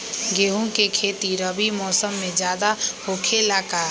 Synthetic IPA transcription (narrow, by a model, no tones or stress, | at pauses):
ɡeːɦũkekʰeːt̪iɾəbimɔːsəmːẽd͡ʒjaːd̪ahoːkʰelaːkaː